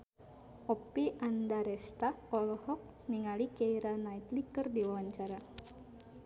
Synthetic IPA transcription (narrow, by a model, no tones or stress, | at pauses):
ʔɔpiʔandaɾɛst̪aɔlɔhɔk̚ | niŋalikeiɾanait̪likɨrdiwawaɲt͡ʃaɾa